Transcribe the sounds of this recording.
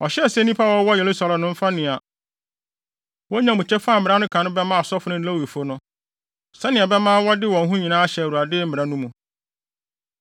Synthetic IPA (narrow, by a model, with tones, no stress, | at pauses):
ɔ˨ɕɛ˦˨sɛ˦nĩ˦pʰa˦wɔ˦wɔ˦je˨lu˦sa˨lã˨nʊ̃˦m̩˦fa˦nɪ̃˨a˨ | wɔ˦ɲã˨mũ˨t͡ɕʰɛ˦fa˦˨m̩˨mɪ̃˨ɾa˦nʊ̃˦kʰã˨nʊ̃˦bɛ˦mã˦˨sɔ˦fʊ˨nʊ̃˦n̩˦a˦wi˨fo˦nʊ̃˦ | sɛ˦nɪ̃˨a˨bɛ˦mãː˦wɔ˦dɪ˦wɔ̃˨n˦ɦũ˦ɲĩ˨nãː˦ɕɛ˨wu˨a˨dɪː˦m̩˦mɪ̃˨ɾa˦nũ˦mũ˨